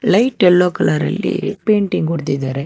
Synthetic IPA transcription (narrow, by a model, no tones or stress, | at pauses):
lɐɪʈːɛlːoːkɐlaɾɐ̰lːḭpeːɳʈɪŋkɔɽɯt̪̬ːit̪aːɾɛ